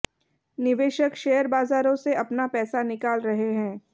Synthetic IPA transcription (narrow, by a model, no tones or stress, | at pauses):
nɪʋeːʃəkʃeːəɾbaːzaːɾõseɐpnapɛːsanɪkaːlɾɐɦeɦɛ̃ː